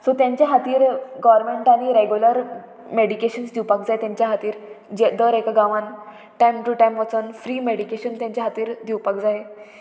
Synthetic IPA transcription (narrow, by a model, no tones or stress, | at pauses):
sot̪jãɲt͡ɕjaɦat̪iːɾɡɔʋɾmeɳʈaɽ̃iɾeɡjuləɾ | meɽikeɕənsd̪iwpakd͡zaɦet̪jãɲt͡ɕjaɦat̪iːɾ | d͡ʑed̪əɾekaɡaʋãn | ʈajmʈuʈajmʋət͡sənfɾiːmeɽikeɕənt̪jãɲt͡ɕaɦat̪iːɾd̪ʱiwpakd͡zaɦe